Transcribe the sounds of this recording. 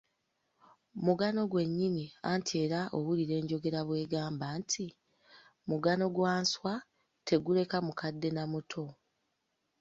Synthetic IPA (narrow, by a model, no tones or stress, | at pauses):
muɡano̞ɡwe̞ɲːiniantʰie̞ːɾaʔoβuliɾe̞ːɲɟo̞ɡe̞ɾaβwe̞ːɡaːmbantʰi | muɡano̞ɡwaːnswa | tʰe̞ɡule̞kamukadːe̞namutʰo̞